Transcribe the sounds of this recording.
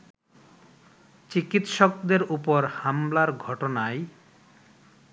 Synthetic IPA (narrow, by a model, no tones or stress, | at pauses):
t͡ɕikit̪ʃok̚d̪eɾupoɾhamlaɾɡʱɔʈonae